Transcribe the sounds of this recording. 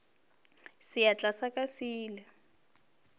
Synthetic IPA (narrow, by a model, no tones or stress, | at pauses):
sijat͡ɬasakʼasiːlɛ